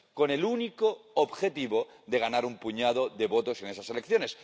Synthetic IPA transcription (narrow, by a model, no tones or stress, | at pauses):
ko̞ne̞lunikoobxe̞t̪iβo̞ðe̞ɣ̞anaɾumpuɲað̞o̞ðe̞βo̞t̪o̞se̞ne̞sase̞lekθjo̞ne̞s